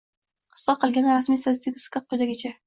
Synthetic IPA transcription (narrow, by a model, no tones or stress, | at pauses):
qʰɨ̥sːɑqɨlˠɡʲanɪɾasmijsasibʲskʲap̚qʰːojd̪aɡʲɪt͡ʃʰa